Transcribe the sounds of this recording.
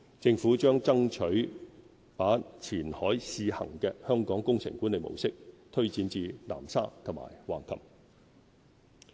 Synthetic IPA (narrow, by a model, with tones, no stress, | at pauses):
t͡sɪ˧ŋfuː˨˥t͡ʃœː˥ŋt͡sɐ˥ŋt͡ʃʰɵ˨˥ɥ | paː˨˥t͡sʰiː˨˩nhɔː˨˥jsiː˧hɐ̰˨˩ŋkɛː˧hœː˥ŋkɔː˨˥ŋkʊ˥ŋsʰɪ̰˨˩ŋkuː˨˥nle˨˧jmo̰˨˩wsɪ˥k̚t̪ʰɵ˥ɥt͡siː˨˧nt͡siː˨˧la̰ː˨˩msa̰ː˥t̪ʰʊ˨˩ma̰ː˨˩jwaː˨˩nkʰɐ̰˨˩p